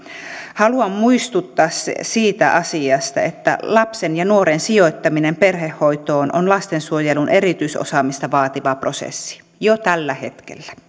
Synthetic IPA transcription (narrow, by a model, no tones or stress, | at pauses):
hɑluɑmmuist̪ut̪ːɑːssiːt̪æʔɑsiɑst̪ɑ̰et̪ːæ̰lɑpsenjɑnuoɾensioit̪ːɑminemperhehːoit̪oːnʔonlɑst̪ensuojelunʔerit̪yiso̰sɑːmist̪ɑʋɑːt̪iʋɑprosḛsːi̥ | jot̪ælːæhḛt̪kḛlːæ̥